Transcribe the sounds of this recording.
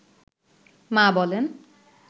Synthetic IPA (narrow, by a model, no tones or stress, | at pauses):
mabɔlen